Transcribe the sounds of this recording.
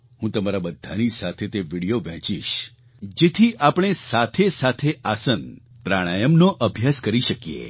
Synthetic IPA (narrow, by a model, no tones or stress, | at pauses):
hũt̪əmaɾabəd̪ʱːanisat̪ʰet̪eʋiɽijoʋɛ̃t͡ʃḭʃ | d͡ʒet̪ʰiʔapɽ̃esat̪ʰesat̪ʰeʔasən | pɾaɽ̃ajəmnoʔəbʱjaskəɾiʃəkijḛ